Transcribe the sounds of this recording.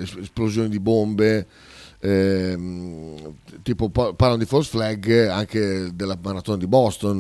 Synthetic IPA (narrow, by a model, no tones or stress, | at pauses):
sesplozjoːnid̪ibombe | t̪iːpopɔpaɾlanod̪ifolsflɛɡaŋked̪elːamaɾat̪oːnad̪ibɔst̪on